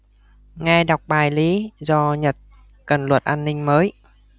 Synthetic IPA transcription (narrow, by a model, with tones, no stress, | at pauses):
ŋɛ˧ɗa˨˩wk͡p̚ɓaː˨˩jli˨˦zɔ˧ɲə˨˩t̚ | kə˨˩nlwə˨˩t̚ʔaː˧nːï˧ŋ̟məː˨˦j